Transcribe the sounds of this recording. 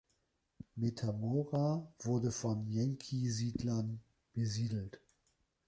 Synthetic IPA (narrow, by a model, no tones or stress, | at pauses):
metʰamoʁav̥ʊɐdəfɔnjɛŋkʰiziːdlɐn | b̥əziːdl̩t